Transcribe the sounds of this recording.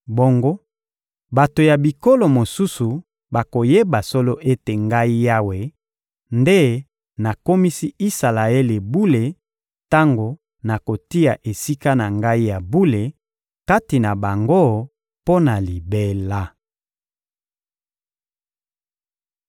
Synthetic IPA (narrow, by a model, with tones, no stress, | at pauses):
bo˦ŋɡo˦ | ba˨to˨ja˨bi˨ko˦lo˨mo˨su˦su˨ | ba˨ko˨je˦ba˨so˦lo˦ʔe˦te˨ŋɡa˦i˦ja˦we˨ | nde˦ | na˨ko˦mi˦si˦i˦sa˨la˨e˦le˨bu˦le˨ | ta˦ŋɡo˨ | na˨ko˨ti˦a˨ʔe˨si˦ka˦na˨ŋɡa˦i˦ja˨bu˦le˨ | ka˦ti˨na˨ba˨ŋɡo˦ | po˦na˨li˨be˦la˦